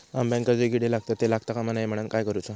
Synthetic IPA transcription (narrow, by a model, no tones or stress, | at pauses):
ambɛ̃ŋkad͡zeɡiɽelaɡ̚t̪at̪ːelaɡt̪akamanajem̤əɽ̃əːnkajkəɾut͡sa